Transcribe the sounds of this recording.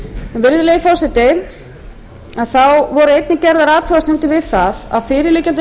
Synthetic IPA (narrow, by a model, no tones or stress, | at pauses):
ɛnvɪɾðʏlejɪfɔwsɛt̪ɪ | aðθawvɔɾʏejt̪nɪcɛɾðaɾaːt̪ʰɔasɛmt̪ɪvɪðθava̰ðfɪːɾɪɾliːcant̪̬ɪ